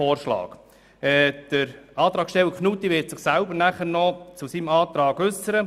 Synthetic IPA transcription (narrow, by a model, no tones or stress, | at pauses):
oːrʃlɑ̰ːɡ̥ | ɛːd̥əɾɑːt̪ɾɑːksʃtɛləkχnuːt̪ːiʋɪtsɪχsæʊbəɾnæχəɾnɔt͡susimɑːt̪ɾɑːɡʉsəɾə